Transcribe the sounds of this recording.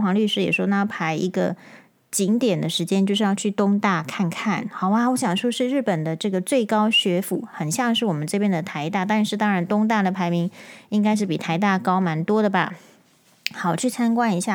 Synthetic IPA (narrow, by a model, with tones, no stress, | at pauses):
xwɑ˧˥ŋly˥˧ʂɻ̩˥jɛ̰˨˩ʂwɔ˥na˧˥˩pʰa˧˥ɪi˧˥ɡə̰˧ | t͡ɕi˧˥ŋt̪jɛ˨˩nd̪ə˦ʂɻ̩˧˥t͡ɕjɛ˥nt͡ɕjo˥˧ʊʂɻ̩˥˧jɑ˥˧ʊt͡ɕʰy˥˩t̪ʊ˥ŋt̪a˥˧kʰa˥˧nkʰa˥˩nxɑ˨˩ʊwa˧wɔ˧˥ɕjɑ˨˩ŋʂwɔ˥ʂɻ̩˥˧ɻɻ̩˥˩pə˨˩nd̪ə˦ʈ͡ʂɤ˥˩ɡə˩t͡swe˥˩ɪkɑ˥ʊɕɥɛ˧˥fṵ˨˩xə˨˩nɕjɑ˥˧ŋʂ̬ɻ̩˥˩wɔ˨˩mə˦nʈ͡ʂɤ˥˧˩pjɛ˥˩nd̪ə˨˩t̪ʰa˧˥ɪt̪a˥˧t̪a˥˧nʂɻ̩˥˩t̪ɑ˥ŋɻa˧˥nt̪ʊ˥ŋt̪̬a˥˩d̪ə˩pʰa˧˥ɪmi˧˥ŋi˥ŋka˥ɪʂ̬ɻ̩˥˩pi˨˩t̪ʰa˧˥ɪt̪̬a˥˩kɑ˥ʊma˧˥nt̪wɔ˥d̪ə˨ba̰˩ | xɑ˨˩ʊt͡ɕʰy˥˩t͡sʰa˥nkwa˥˧ni˧˥ɕja˥˩